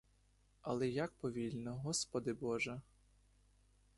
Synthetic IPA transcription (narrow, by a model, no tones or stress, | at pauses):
ɐ̰lˠɛjak̚pɔʋʲilʲnɔɦɔspɔd̪ɪbɔʒɐ